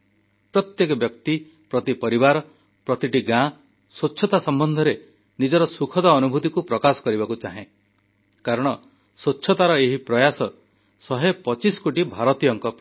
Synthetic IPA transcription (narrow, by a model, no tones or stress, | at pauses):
pɾɔt̪jekɔbjɔkt̪i | pɾɔt̪ipɔɾibaɾɔ | pɾɔt̪iʈiɡã | soːʃʰɔt̪asɔmbɔnd̪ʱɔɾe | nid͡ʒɔɾɔsukʰɔd̪aːnubʱut̪ikupɾɔkasɔ̥kɔɾibakut͡ʃaɦẽ | kaɾɔɽ̃ɔ | sotːʃʰɔt̪aɾɔeɦipɾɔjasɔ | sɔɦepɔt͡ʃiskoʈibʱaɾɔt̪ijɔŋkɔp